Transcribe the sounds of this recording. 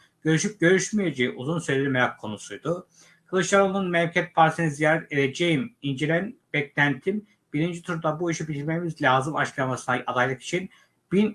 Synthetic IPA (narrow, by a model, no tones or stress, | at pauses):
ɟ̥ø̞ɾyʃyp̚ɟø̞ɾyʃmije̞d͡ʒejiʔuzunsøjlʲeɾimeɾakʰːo̞nusujd̪ʊ | kʰɯlˠɯʃlˠaɾonnunmɛlcʰɛt̪̚pʰaɾsinizijaːɾɛt̪ed̪ed͡ʒejimind͡ʒelʲænb̥ɛclʲænt̪ʰim | b̥iɾind͡ʒit̪ʰuɾd̪abuiʃibit̪ʰiɾmemizlʲaːzɯmat͡ʃklˠanmasɯnaad̪ajlˠɯki̥t͡ʃʰin | b̥in